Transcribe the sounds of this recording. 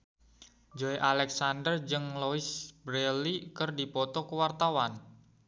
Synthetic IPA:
d͡ʒoeʔalɛksandərd͡ʒɨŋloisbɾelikərdipɔt̪ɔkəwart̪awan

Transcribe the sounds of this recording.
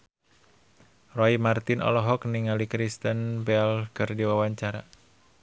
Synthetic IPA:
rɔimart̪inʔɔ̰lɔɦɔkniŋalikɾist̪ənbɛlɡ̥ərdiwawaɲt͡ʃaɾa̰

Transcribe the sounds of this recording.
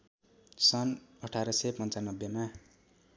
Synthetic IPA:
sʌnʌʈʰaɾʌsepʌnt͡sanʌbːjema

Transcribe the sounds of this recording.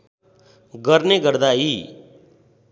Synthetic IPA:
ɡʌɾneɡʌɾd̪ai

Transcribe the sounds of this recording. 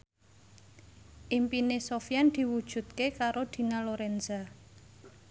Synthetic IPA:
ʔimpinesofjand̪̥i̤wud̥ʒ̥ṳt̪̚kekaɾod̪̥i̤naloɾɛnza

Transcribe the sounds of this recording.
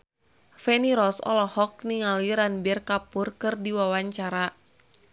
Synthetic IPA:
fɛniɾɔsɔ̰lɔhɔk̚niŋaliɾanbɛrkapurkɨrdiwawaɲt͡ʃaɾa

